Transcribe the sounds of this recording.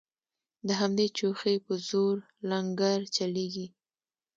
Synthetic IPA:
d̪əɦamd̪et͡ʃoxejpəzoɾ | laŋɡaɾt͡ʃaleɡi

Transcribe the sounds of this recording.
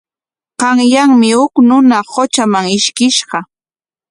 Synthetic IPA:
qɑŋjaŋmɪhʊknʊnahot͡ʃamaŋɪʃkɪʃɢɑ

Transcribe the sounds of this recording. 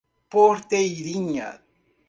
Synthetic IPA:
poɾt̪eiɾiɲa̰t̪̚

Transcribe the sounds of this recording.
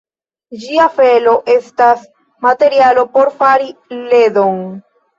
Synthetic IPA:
d͡ʒiafe̞lo̞ʔe̞stas | mate̞ɾialo̞po̞ɾfaɾile̞d̪o̞ŋ

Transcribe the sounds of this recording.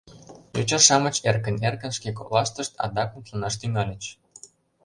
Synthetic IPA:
jut͡ɕɑʃɑmə̆t͡ɕerkə̆nerkə̆nʃkekolɑʃt̪ə̆ʃt̪ɑ̰d̪ɑkə̆mt̪lunɑʃt̪yŋɑlʲə̆t͡ɕ

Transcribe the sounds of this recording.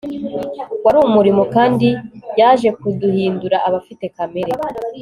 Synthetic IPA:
waɾuːmuɾimo̞kaːndijaːʒe̞kuduhiːnduɾaʔaβafite̞kameɾe̞

